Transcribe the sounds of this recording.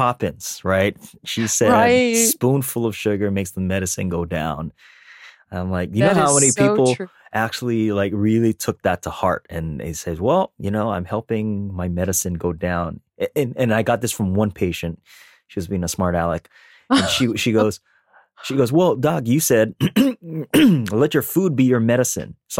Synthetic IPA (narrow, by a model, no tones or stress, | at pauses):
kʰɑpɨ̃nz̥ɹaɪt̚ʃisɛspũnfʊlˠʌv̥ʃʊɡə˞meɪksðəmɛɾɨsɨ̰̃nɡoʊdã̰ʊ̃n | ãɪ̃mlaɪkjɨnoʊhaʊmɛnipʰipl̩ˠʔæk̚t͡ʃul̩ˠilaɪkɹɪlˠitʰʊk̚ðɨtʰəhɑ̰ɹɾɨ̃nɪ̰seɪzwɛlˠjɨnoʊãɪ̃mhɛlˠpɪ̃ŋmaɪmɛɾɨsɨ̃nɡoʊdãʊ̃n | ɨɨ̃nɨ̃naɪɡɑt̪̚ðɪsfɹʌ̃mwʌ̃npʰeɪʃɨ̃nt | ʃiwʌzbiɪ̃ŋəsmɑɹɾælˠək | ɨ̃nʃiʃiɡoʊz̥ | ʃiɡoʊzwɛlˠdɑɡjɨsɛd̚ | lɛt͡ʃə˞fud̚bijə˞mɛɾɨsɨ̰̃ns